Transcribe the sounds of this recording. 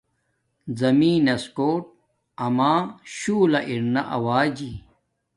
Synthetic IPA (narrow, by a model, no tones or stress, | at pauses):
zɐmiːnɐskoːʈ̚ | ɐmaːɕuːlɐʔiɾnɐʔɐ̰waːd͡ʑiː